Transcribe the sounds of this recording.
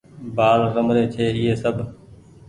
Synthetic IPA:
baːɾːəmɾeːt͡ʃʰeːɪɦeːsəbʱ

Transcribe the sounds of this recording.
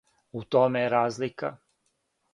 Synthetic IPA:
ut̪omeɾaːzlika̰

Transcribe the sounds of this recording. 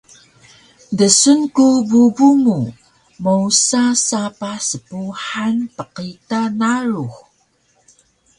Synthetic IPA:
dəsunkububumu | mousasapasəpuħanpəqitanaɾuh

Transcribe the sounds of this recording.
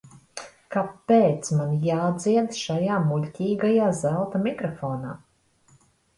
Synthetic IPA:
kapːeːt̪smanjaːd̪ziɛd̪ʃajaːmuʎʲtʲiːɡajaːzælˠt̪amikɾɔfɔːnaː

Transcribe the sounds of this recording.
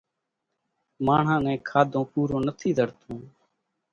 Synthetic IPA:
maːɳ̤ãːnɛ̃ːkʰaːd̪ʱõːpuːɾõːnət̪ʰiːd̪əɽt̪ʰõː

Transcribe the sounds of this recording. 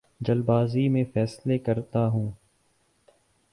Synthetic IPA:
d͡ʒəlbaːzimẽfɛːslekɐɾt̪aɦũː

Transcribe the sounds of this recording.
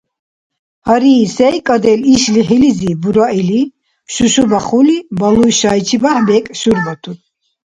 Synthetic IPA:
haɾiːsɛjkʼad̪ɛliʃliɦilizibuɾaili | ʃuʃubaχulibalujʃait͡ʃʰibahbɛkʼʃuɾvat̪ʰu

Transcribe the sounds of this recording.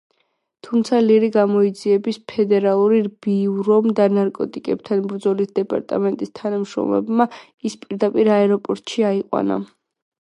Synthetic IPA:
t̪ʰumt̪sʰaliɾiɡamɔid̪ziɛbispʰɛd̪ɛɾalˠuɾiɾbiɾɔmd̪anaɾkʼɔt̪ʼikʼɛb̚t̪ʰanbɾd̪zɔlisd̪ɛpʼa̰ɾt̪ʼa̰mɛnt̪ʼist̪ʰanamʃɾɔ̰mlɛ̰bma | ispʼiɾd̪apʼiɾaɛɾɔpʼɔɾt̪ʼʃiaiqʼwa̰na̰

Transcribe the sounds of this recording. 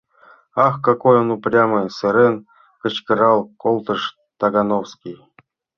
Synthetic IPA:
axkakojonuprʲaməsɤɾen | kə̆t͡ɕkɤɾɑlˠkolˠt̪ɤʂ | t̪aɡanowskʲij

